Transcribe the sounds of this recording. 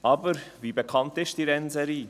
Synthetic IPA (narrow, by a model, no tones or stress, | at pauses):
ʔɑːbəɾviːbekʰɑntɪʃtd̥iɾɛnzɛɾiː